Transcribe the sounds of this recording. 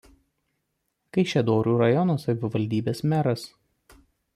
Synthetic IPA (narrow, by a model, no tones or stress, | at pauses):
kɐɪʃʲɛd̪oːɾʲuːɾɐjɔnoːsɐʋʲɪʋɐlʲd̪ʲiːbʲeːsmʲæɾɐs